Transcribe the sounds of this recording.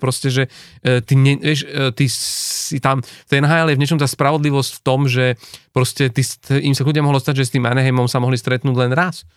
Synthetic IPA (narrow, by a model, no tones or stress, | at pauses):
pɾɔscɛʒɛt̪iɲɛʋɛʃt̪isit̪amft̪ɛjnaɦaːjɛljɛvɲɛt͡ʃɔmt̪aːspɾaʋɔd̪liʋɔscft̪ɔmʒɛpɾɔscɛt̪isʔimsaɡludɪamɔɦɔlɔst̪aɟʒɛst̪iːma̰nɛɦɛmɔmsamɔɦlist̪ɾɛt̪nuːɟlɛnɾas